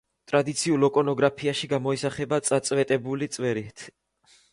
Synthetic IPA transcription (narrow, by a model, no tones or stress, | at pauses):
t̪ʼɾad̪it̪sʰiulˠɔkʼɔnɔɡɾapʰiaʃiɡamɔisaχɛbat̪sʼat̪sʼvɛt̪ʼɛbulit̪sʼwɛɾit̪ʰ